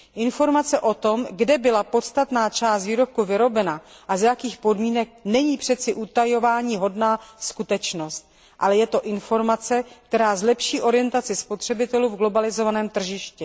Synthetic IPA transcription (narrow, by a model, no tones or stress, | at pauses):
ʔɪnfo̞ɾmat͡sɛʔo̞t̪o̞mɡdɛbɪlapo̞t̪st̪at̪naːt͡ʃaːst̪viːɾo̞p̚kuvɪɾo̞bɛnaʔazjakiːxpo̞dmiːnɛk̚nɛɲiːpr̝̥ɛt̪t͡sɪʔut̪ajo̞vaːɲiːɦo̞dnaːskut̪ɛt͡ʃno̞st̪̚ | ʔa̰lɛjɛt̪o̞ʔɪnfo̞ɾmat͡sɛk̚t̪ɛɾaːzlɛpʃiːʔo̞ɾɪjɛnt̪at͡sɪspo̞t̪r̝̥ɛbɪt̪ɛluːvɡlo̞balɪzo̞vanɛːmt̪r̩ʒɪʃcɛ